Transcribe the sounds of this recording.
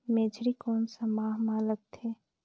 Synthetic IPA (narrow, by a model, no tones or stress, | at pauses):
meːd͡ʒɾikɔːnsəmaːɦmalək̚t̪ʰeː